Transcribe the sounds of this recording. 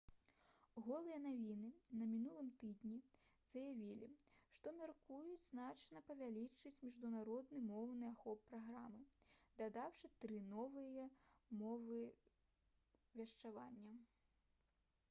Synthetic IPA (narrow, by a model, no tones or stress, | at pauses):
ɣɔlˠɨjɐnavʲinɨnɐmʲinulˠɨmt̪ɨd̪nʲi | z̥ɐjavʲilʲḭʂt̪ɔmʲarkujud͡zʲznat͡ʂnɐpɐvʲalʲit͡ʂɨt͡sʲmʲiʐd̪unaɾɔd̪nɨmɔwnɨaxɔpːɾaɣɾamɨd̪ad̪awʂɨt̪ɾɨnɔvɨjɐmɔvɨ | vʲɐʂt͡ʂavanʲːɐ